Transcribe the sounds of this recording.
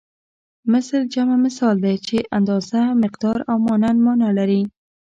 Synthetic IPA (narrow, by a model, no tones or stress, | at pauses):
mɪsɾd͡ʒamamɪsɑld̪ajt͡ʃeʔand̪ɑzamɪqd̪ɑɾawmɔnand̪mɔnalaɾi